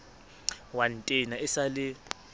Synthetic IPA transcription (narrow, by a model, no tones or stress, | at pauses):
wantʼɛnaɛsalɪ